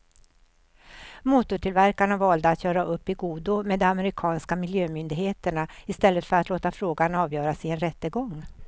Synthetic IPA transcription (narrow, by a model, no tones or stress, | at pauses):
muːt̪ʊʈʰɪlvæɾkaɳavɑːld̪əat̪ʰjœːɾaʔɵpːɪɡuːd̪ʊmeːd̪ɔamɛɾɪkʰɑːnskamɪljøːmʏnd̪ɪɡheːt̪əɳaɪst̪ɛlːət̪fœɾat̪loːt̪afɾoːɡanɑːvjœːɾasɪɛnɾɛt̪ːəɡɔŋː